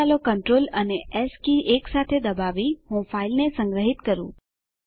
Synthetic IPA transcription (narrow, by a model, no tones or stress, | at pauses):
alokəɳʈɾoləneɛskiʔeksat̪ʰed̪əbaʋiɦũfailnesəŋɡɾəɦit̪kəɾṵ̃